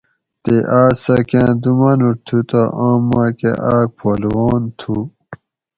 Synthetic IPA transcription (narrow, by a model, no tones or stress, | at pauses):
t̪eʔaːsɐkãːd̪umɐnuɾt̪ʰut̪aʔãːmːãːkḛʔaːk̚pʰoːlwoːnt̪ʰu